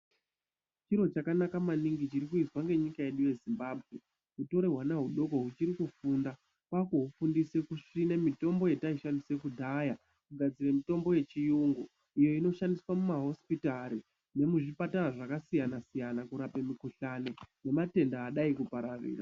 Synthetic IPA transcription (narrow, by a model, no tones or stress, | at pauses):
t͡ʃiɾo̞t͡ʃakanakamaniŋɡit͡ʃiɾikuiswaŋɡe̞ɲikaje̞ɗuje̞zimbaːbʱɣe̞ | ɦuto̞ɾeɦwanaɦuɗo̞ko̞ɦut͡ʃiɾikufunda | kwakuɦufundise̞kuʂinemito̞mbo̞je̞taiʃandise̞kudʱaja | kuɡʱad͡ziɾemito̞mbo̞je̞t͡ʃijuŋɡu | ijo̞ino̞ʃandiswamumaɦo̞spitaɾi | ne̞muʐipatanaʐakasijanasijanakuɾape̞mikuɬane̞ne̞mate̞ndaːɗaikupaɾaʋḭːra